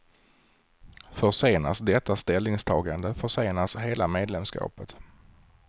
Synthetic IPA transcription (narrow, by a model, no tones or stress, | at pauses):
fœʂeːna̰sd̪ɛt̪ːast̪ɛlnɪŋst̪ʰɑːɡand̪əfœʂeːnasheːlameːd̪lɛmskɑ̰ːpət̪